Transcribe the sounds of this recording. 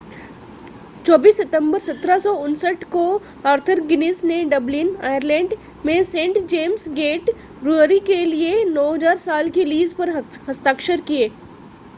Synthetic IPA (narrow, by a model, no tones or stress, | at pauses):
t͡ʃɔːbiːsːet̪ə̃mbəɾsɐt̪ɾasɔʊnsəʈko | aːɾt̪ʰəɾɡɪnɪːsneɖɐblɪnaːjəɾlɛ̃ːɳɖ | mẽsẽːɳʈd͡ʒeːmsɡeːʈ | ɾuəɾikelienɔːɦɐd͡ʒaːɾsaːlkiliːzpɐɾɦɐst̪aːkʃəɾkieː